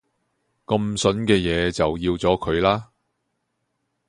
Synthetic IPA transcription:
kɐ˧msɵ˨˥nkɛː˧jɛː˨˧t͡sɐ˨wjiː˧wt͡sɔː˨˥kʰɵ˨˧ɥlaː˥

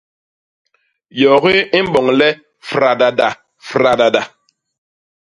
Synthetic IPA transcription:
jɔ˨ɣi˦i˦m̩˦bɔ˨ŋlɛ˦ | fɾa˨da˨da˨ | fɾa˨da˨da˨

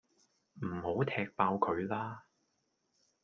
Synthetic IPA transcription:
m̩˨˩ho˨˥wt̪ʰɛː˧k̚paː˧wkʰɵ˨˧ɥlaː˥

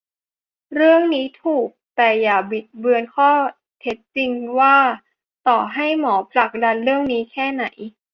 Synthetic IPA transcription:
ɾɯ˥˩əŋniː˦˥t̪ʰuː˨˩k̚t̪ɛː˨˩jaː˨˩bi˨˩t̪̚bɯ˧ənkʰɔː˥˩ | t̪ʰe˦˥t̪̚t͡ɕi˧ŋwaː˥˩ | t̪ɔː˨˩ɦa˥˩jmɔː˩˦pʰla˨˩k̚da˧nɾɯ˥˩əŋniː˦˥kʰɛː˥˩na˩˦j

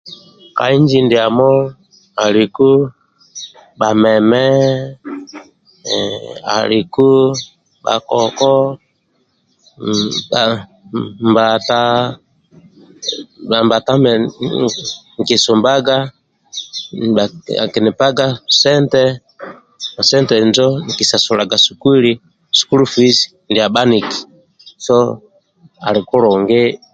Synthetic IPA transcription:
ka̰˨i˦ɲd͡ʒi˦ndi˨a˨mɔ˦ | a˨ɾi˨ku˦ | ba˨mɛ˨mɛ˦ | a̰˨ɾi˨ku˦ | ɓa̰˨kɔ˨kɔ˦˨ | mba˨ta˦ | ba˨mba˨ta˦mɛ | ŋ˨kisu˨mbaɡa˦ | aa̰˨ki˨ni˨pa˦ɡa˦sɛntɛ | mɔ˨sɛ˦ntɛ˨nd͡ʒɔ˦ni˨ki˨sa˨suɾa˨ɡa˨suku˦i˦li˦ | su̥ku˦lu˦fi˦si̥ | ndi˨a˨ba˦ni˨ki̥ | sɔ | a˨ɾi˨ku˦ɾɔ˨ŋɡɛ˦

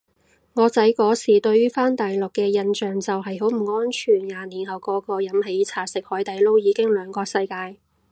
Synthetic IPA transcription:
ŋɔː˨˧t͡sɐ˨˥jkɔː˨˥siː˨˩t̪ɵ˧ɥyː˥faː˥nt̪aː˨jlʊ˨kːɛː˧jɐ˧nt͡ʃœː˨ŋt͡sɐ˨wɦɐ˨jɦo˨˥wm̩˨˩ŋɔː˥nt͡ʃʰyː˨˩njaː˨˧niː˨˩nhɐ˨˩wkɔː˧kɔː˧jɐ˨˥mhe˨˥jt͡sʰaː˨˩sɪ˨k̚hɔː˨˥jt̪ɐ˨˥jlo˥wjiː˨˧kɪ˥ŋlœː˨˧ŋkɔː˧ksɐ˧jkaː˧j

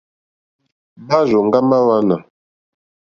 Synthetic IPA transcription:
ba˦ʒo˨ŋ˦ɡa˦ma˦wa˦na˨

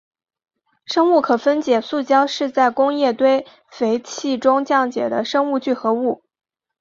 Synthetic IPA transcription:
ʂɤ˥ŋu˥˩kʰɤ˨˩fə˥nt͡ɕjɛ˧˥˩su˥˩t͡ɕjɑ˥ʊʂɻ̩˥˧t͡sa˥˩ɪkʊ˥ŋjɛ˥˩t̪we˥ɪ | fe˧˥ɪt͡ɕʰi˥˩ʈ͡ʂʊ˥ŋt͡ɕjɑ˥˩ŋt͡ɕjɛ̰˨˩d̪ə˦ʂɤ˥ŋu˥˧t͡ɕy˥˩xɤ˧˥u˥˩

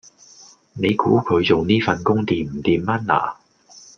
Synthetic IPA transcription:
ne˨˧jkṵː˨˥kʰɵ˨˧ɥt͡so˨wniː˥fɐ˨nkʊ˥ŋt̪iː˨˩m̩˨˩t̪iː˨mːɐ˥nla̰ː˨˩

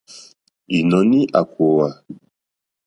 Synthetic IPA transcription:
i˨nɔ˨ni˦ʔa˨ko˨wa˨

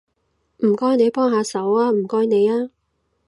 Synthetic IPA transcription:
m̩˨˩kɔː˥jne˨˧jpɔː˥ŋɦaː˧sɐ˨˥waː˥m̩˨˩kɔː˥jne˨˧jaː˥

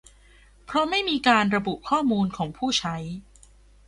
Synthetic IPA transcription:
pʰɾɔ˦˥ma˥˩jmiː˧kaː˧nɾa˧bu˨˩ʔkʰɔː˥˩muː˧nkʰɔː˩˦ŋpʰuː˥˩t͡ɕʰa˦˥j

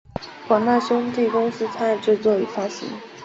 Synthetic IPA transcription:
kwɑ˨˩ŋna˥˩ɕjʊ˥nt̪i˥˩kʊ˥ŋsɹ̩˥t͡sʰa˥˨˩ʈ͡ʂɻ̩˥˧t͡swɔ˥˩i˨˩fa˥ɕḭ˧˥ŋ

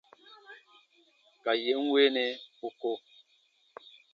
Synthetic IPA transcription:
ka˨je˨˦ŋ˦we˦nɛ˦pu˦ko˦

